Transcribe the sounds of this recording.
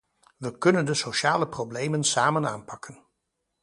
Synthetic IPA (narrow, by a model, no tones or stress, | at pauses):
ʋəkɵnəndəsowʃaːləprowblejmənsaːmənaːnpɑkʰən